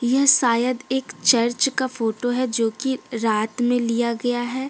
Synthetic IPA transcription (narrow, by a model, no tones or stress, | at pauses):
jɐɦsaːjəd̪eːkt͡ʃɐɾt͡ʃkafoːʈoɦɛd͡ʒoːkiɾaːt̪mẽlijaɡɐjaɦɛː